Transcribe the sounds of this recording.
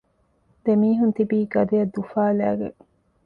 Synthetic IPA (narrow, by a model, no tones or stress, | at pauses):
d̪̥emiːɦunt̪ibiːɡɐd̪ejɐd̪ːufaːlæ̰ːɡḛŋ